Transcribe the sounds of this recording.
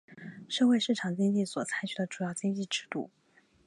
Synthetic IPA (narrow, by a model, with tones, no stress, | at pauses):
ʂɤ˥˧xwe˥˧ɪʂɻ̩˥˩ʈ͡ʂʰɑ˨˩ŋt͡ɕi˥ŋt͡ɕi˥˩swɔ˨˩t͡sʰa˥ɪt͡ɕʰy˨˩d̪ə˦ʈ͡ʂu˨˩jɑ˥˩ʊt͡ɕi˥ŋt͡ɕi˥˩ʈ͡ʂɻ̩˥˧t̪ṵ˥˩